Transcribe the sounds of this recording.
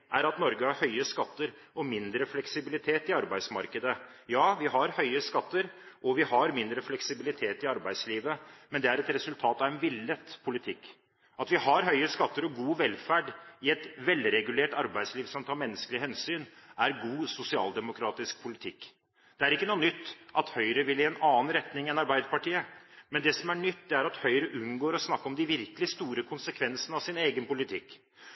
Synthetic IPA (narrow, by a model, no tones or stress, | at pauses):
ʔæɾɑt̪nɔɾɡəhɑɾhœʏəskɑt̪ːəɾ | ɔmɪnd̪ɾəflɛksɪbɪlɪt̪ʰeːt̪ɪɑɾbæɪsmɑɾkəd̪ə | jɑːʋɪɦɑɾhœʏəskɑt̪ːəɾɔʋɪhɑɾmɪnd̪ɾəflɛksɪbɪlɪt̪ʰeːt̪ɪɑɾbæɪd̪sliːʋəmɛnd̪ɛæɾɛt̪ɾɛsʉlt̪ʰɑːt̪ɑʋɛnʋɪlːət̪pʰʊlɪt̪ʰɪkː | ɑt̪ʋɪhɑɾhœʏəskɑt̪ːəɾɔɡuːʋɛlfæɖɪɛt̪ʋɛlːɾɛɡʉleːʈɑɾbæɪd̪sliːʋsɔmt̪ʰɑːɾmɛnːəskəlɪhɛnsyːnʔæɾɡuːsʊsɪɑ̰ːld̪ɛmʊkʰɾɑːt̪ɪsk̚pʰʊlɪt̪ʰɪkː | d̪̥ɛæɾɪkːənuːənʏt̪ːʔɑt̪hœʏɾəʋɪlɪɛnɑːnɾɛt̪nɪŋɛnɑɾbæɪd̪əpɑʈiːəmɛnd̪ɛsɔmæɳʏt̪ːd̪ɛæɾɑt̪hœʏɾəʔʉnɡoːɾɔsnɑkːəɔmd̪ɪʋɪɾkəlɪst̪uːɾəkʰʊnsəkʰʋɛnsənəɑʋsɪneːɡənpʊlɪt̪ʰɪkː